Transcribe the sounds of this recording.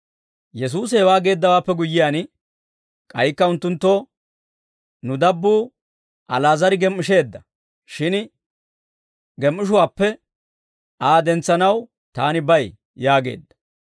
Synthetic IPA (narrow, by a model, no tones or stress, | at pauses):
jɛs̬uːs̬hɛwaːɡe̞ːd̪ːɐwaːpːɛɡʊjːɪjaːn | kʼɐjkːɐʊnt̪ːʊnt̪ːo | nʊd̪ɐbːuː | ʔɐlaːzɐɾɪɡɛmːɪʃe̞ːd̪ːɐ | ʃɪn | ɡɛmːɪʃ̬ʊwaːpːɛ | ʔaːd̪ɛnt͡sːɐnɐw | t̪aːnɪbɐj | jaːɡe̞̰ːd̪ːɐ̥